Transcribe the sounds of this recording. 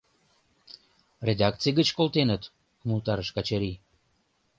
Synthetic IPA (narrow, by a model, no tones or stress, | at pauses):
rʲed̪ɑk̚t͡sijɡət͡ɕkolt̪enət̪ | mult̪ɑɾəʃkɑt͡ɕaɾi